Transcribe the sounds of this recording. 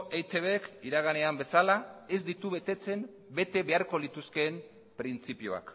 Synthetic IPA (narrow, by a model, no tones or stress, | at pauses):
ʔejt̪e̞βekiɾaɣ̞ane̞ambe̞salae̞zd̪it̪uβe̞t̪e̞t͡se̞m | be̞t̪e̞βe̞aɾko̞lit̪uske̞ːm | pɾint͡sipioa̰k